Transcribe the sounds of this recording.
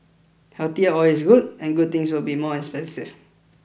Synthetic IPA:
hɛlt̪iəɔwɪs̬ɡud̚ɛ̃nɡud̚t̪ɪ̃ŋswɪlbimɔɛ̃nspɛ̃nsif

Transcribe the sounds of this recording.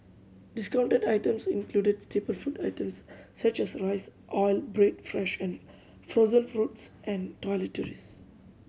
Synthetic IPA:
ɖɪskãʊ̃ɳʈeɖaɪʈə̃msĩnkluːɖeɖsʈepəlfuːɖaɪʈə̃msːʌt͡ʃɛsɾaɪsʔɔɪlbɾeɖfɾɛʃɛ̃n | fozə̃nfɾuʈsɛ̃nɖʈɔliʈɔɾis

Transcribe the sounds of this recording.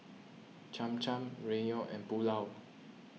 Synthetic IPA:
t͡ʃãmt͡ʃãmɹenioʔɛ̰̃npulaw

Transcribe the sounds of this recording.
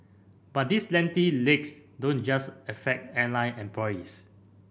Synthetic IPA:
b̥at̚dislɛ̃ntileksdõnd͡ʒasɛfɛk̚tɛ̃nlãjnɛ̃mplɔjis

